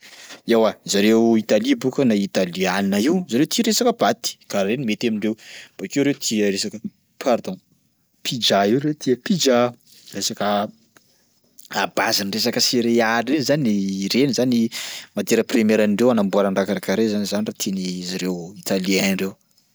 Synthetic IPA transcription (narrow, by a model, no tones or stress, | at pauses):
ewazaɾewit̪alibukənait̪alianinaiwzaɾewt̪iɾesakəb̥at̪i̥kaɾɾenimet̪amiɳɖ͡ʐewb̥akewɾewt̪ʰiəɾesakə | pʰaɾd̪õ | pʰid͡ʒaiwɾet̪ʰiəpid͡ʒa | resakə | abazinres̬akəsiɾeaɾɾenizaniɾenizanimad̪eɾəprimeɾaniɳɖ͡ʐewanambuaɾaɳɖ͡ʐakaɾakaɾezanizanirat̪ʰenizaɾewit̪alianɳɖ͡ʐew